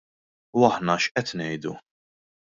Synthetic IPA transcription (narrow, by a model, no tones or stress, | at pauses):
ɐħnɐʃʔɛt̪nɛjd̪u